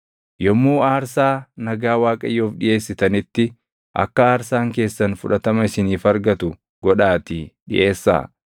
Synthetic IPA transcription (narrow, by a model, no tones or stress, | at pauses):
jɔmːuːaːɾsaːnɐɡaːwaːkʼɐjːoːfᶑɪʔe̞ːsːɪt̪ɐnɪt̪ːɪ | ʔɐ̰kːɐaːɾsaːŋke̞ːsːɐnfʊᶑɐt̪ɐmɐɪsɪniːfɐɾɡɐt̪ʊ | ɡ̥ɔᶑaːt̪ɪɗɪ̰ʔe̞ːsːa̰ː